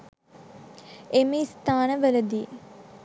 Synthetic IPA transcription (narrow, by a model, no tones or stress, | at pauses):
eməist̪aːnəʋələd̪iː